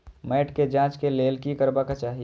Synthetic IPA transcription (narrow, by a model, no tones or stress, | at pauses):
mɛːʈked͡ʒãːt͡ʃkeleːlkikəɾbakat͡ʃaːɦi